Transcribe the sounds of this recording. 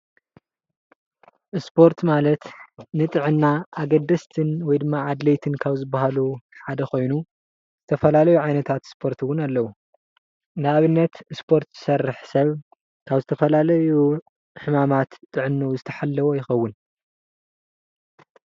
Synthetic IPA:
ʔɨspʰo̞ɾt̪ʰmalɐt̪nɨt̪ʼɨʕɨnːaʔaɡɐd̪ːɐst̪ʰɨnwɔjd̪ɨmːaʕad̪lejt̪ʰɨnkʰaβzɨbːaɦaluħad̪ɐxo̞jnu | z̥ɨt̪ʰɐfɐlalɐjuʕajnɐt̪ʰat̪spʰo̞ɾt̪ʰɨwʊnalːɐwu | nɨaβɨnːɐt̪spʰo̞ɾt̪z̥ɨsɐrɨħsɐβ | kʰaβzɨt̪ʰɐfɐlalɐju | ħɨmamat̪t̪ʼːɨʕɨnːɐwzɨt̪ʰɐ̥ħalːɐwojɪxɐwːʊn

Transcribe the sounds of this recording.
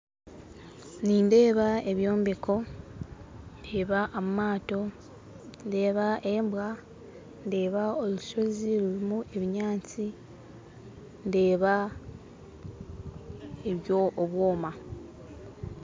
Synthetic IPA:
niːnde̞ːβae̞βjo̞ːmbekʰo̞ | ndeːβaʔomumaːto̞ | nde̞ːβaʔe̞ːmbwa | nde̞ːβaoluʃo̞ziliɾimuʔe̞βiɲaːt͡si | nde̞ːβa | eβjo̞ːβwoːma

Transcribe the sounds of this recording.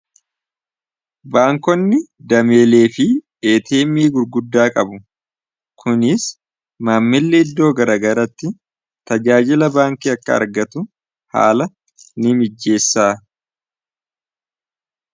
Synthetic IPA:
baːŋkɔnːɪd̪ɐme̞ːle̞ːfɪ | eːt̪ʰeːmiːɡʊɾɡʊd̪ːaːkʼɐbʊ | kʰʊnɪs | maːmːɪlːeɪd̪ːo̞ːɡɐɾɐːɡɐɾɐt̪ːɪ | t̪ɐd͡ʒaːd͡ʒɪlɐbaːŋkiːɐkːɐɐ̰ɾɡɐt̪ʊ | ha̰ːlɐ | nɪmɪd͡ʒːe̞ːsːaː

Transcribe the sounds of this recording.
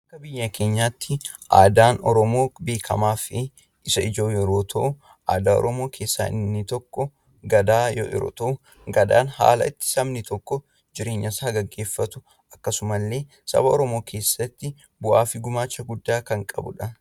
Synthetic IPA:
ʔɐkːɐbɪjːɐkʰe̞ːɲːaːt̪ːɪʔa̰ːd̪aːnɔɾɔmo̞ːbe̞ːkʰɐmaːfɪ | ʔɪsɐɪd͡ʒo̞ːjɛɾoːt̪ʰɐʔʊ | ʔa̰ːd̪aːɔ̰ɾɔmo̞ːkʰe̞ːsːa̰ːʔɪ̰nːɪt̪ɔkːɔ | ɡɐd̪aːjɔ̰ɛ̰ɾo̰ːt̪ɐʔʊ | ɡɐd̪a̰ːnha̰ːlɐ̰ɪt̪ːɪ̥sɐmnɪt̪ɔkːɔ | d͡ʒɪɾe̞ːɲːɐsaːɡɐɡːe̞ːfːɐt̪ʊ | ɐkːɐsʊmɐlːe̞ː | sɐ̰bɐɔɾɔmo̞ːkʰe̞ːsːɐt̪ːɪ | bʊʔaːfɪɡʊmaːt͡ʃːɐɡʊd̪ːaːkɐŋkʼɐ̰bʊ̰ᶑɐn

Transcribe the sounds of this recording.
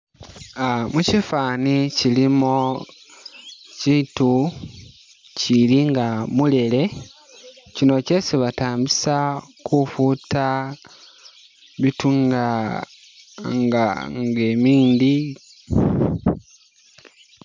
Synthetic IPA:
mucifaːnicilimo | citu | ciliŋɡamule̞le̞ | cino̞ce̞siβataːmbisakufuta | βituŋɡa | ŋɡa̰ŋɡe̞ːmiːndi

